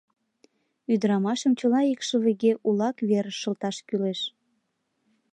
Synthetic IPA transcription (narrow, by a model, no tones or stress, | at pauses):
yd̪əɾɑmɑʃəmt͡ɕəlɑikʃəβeɣeʔulɑkβeɾəʃə̆lt̪ɑʃkyleʃ